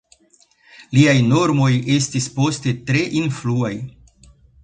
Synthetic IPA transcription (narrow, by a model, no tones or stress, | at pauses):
liajno̞ɾmo̞je̞stispo̞ste̞tɾe̞ʔinfluaj